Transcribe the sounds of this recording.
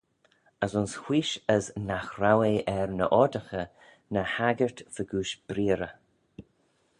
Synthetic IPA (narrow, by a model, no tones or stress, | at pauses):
əsʊnshw̥iːʃəznaxɾaweɛɹnə̰ʔɔdəxə | nəhaɡəɹt̪vəɡuːʃb̥ɾiːɾə